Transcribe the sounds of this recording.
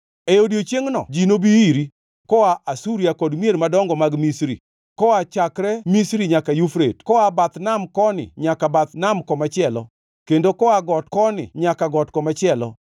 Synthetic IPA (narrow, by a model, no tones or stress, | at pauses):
ejodjot͡ʃeŋnɔ̰d͡ʒinobiiɾi | kɔaʔasuɾjakɔdmjeɾmadɔŋɡɔmaɡmisɾḭ | kɔat͡ʃakɾɛmisɾiɲakajufɾetkɔabat̪namkɔnɪ̰ɲakabat̪namkɔmat͡ʃɪɛlɔ̰ | kendokɔaɡɔt̚kɔnɪ̰ɲakaɡɔtkɔmat͡ʃɪɛlɔ̰